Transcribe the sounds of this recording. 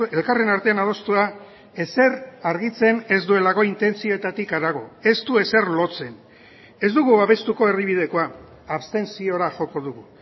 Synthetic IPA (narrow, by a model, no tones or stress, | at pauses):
elkare̞naɾt̪e̞anað̞o̞st̪ua | e̞se̞ɾaɾɣit͡se̞ne̞zd̪ue̞laɣo̞int̪e̞nt͡sio̞et̪at̪ikaɾaɣ̞o̞e̞st̪ue̞se̞rlo̞t͡se̞n | e̞zd̪uɣuaβe̞st̪uko̞e̞riβ̞ið̞e̞ko̞a | aβst̪e̞nsio̞ɾaʝo̞ko̞ð̞uɣu